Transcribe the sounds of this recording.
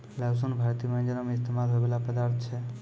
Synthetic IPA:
las̬onbʱaɾt̪ijmand͡ʒənameist̪emalɦobelapəd̪aɾt̪ʰt͡ʃʰɛ

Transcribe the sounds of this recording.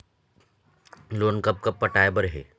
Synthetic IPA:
loːnkɐp̚kɐp̚pɐʈaːebəɾɦɛ̰ː

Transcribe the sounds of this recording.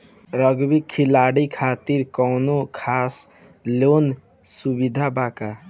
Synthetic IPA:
ɾəɡbikʰːilaɽikʰat̪iɾkɔːnokʰaːs | lon | subid̪ʱabaka

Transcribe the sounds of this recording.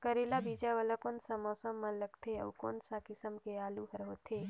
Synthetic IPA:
kəɾelabiːd͡ʒaʋəlakoːnsãmɔːsəmːãləɡt̪ʰeɐ̰ʋko̰ːnsãkɪsəmkeaːluɦəɾɦoːt̪ʰe

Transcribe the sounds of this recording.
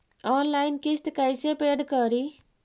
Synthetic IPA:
ɔnlajnkisʈ̪kajsepeɖkʌɾi

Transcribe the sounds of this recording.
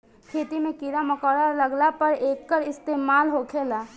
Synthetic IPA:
kʰeːt̪imẽkiɾaməkɔːɾaləɡlapəɾeːkːəɾɪst̪eːmaːlɦokʰeːlaː

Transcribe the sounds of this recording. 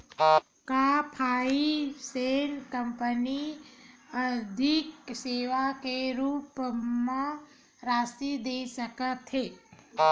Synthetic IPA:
kaːpʰaːiseːnkɐ̃mpəni | ɐd̪ʱɪkseːʋakeɾuːpmẽ | ɾaːsid̪eːsəkət̪ɦeː

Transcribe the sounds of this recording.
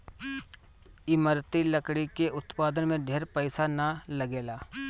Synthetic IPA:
ɪməɾt̪ilɐkɽikeʔʊt̪paːd̪ənmẽɖʱeːɾpəɪsanalɐɡeːlaː

